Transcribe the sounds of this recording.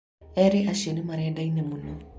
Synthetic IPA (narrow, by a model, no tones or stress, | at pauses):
ɛɾeʔaʃenimaɾɛdainemunu